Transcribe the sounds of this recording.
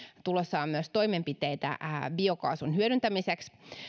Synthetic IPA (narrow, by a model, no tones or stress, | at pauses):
t̪ulosːɑːmyøst̪oimempit̪eit̪æ̰biokɑ̰ːsunhyøɾynt̪æmiseks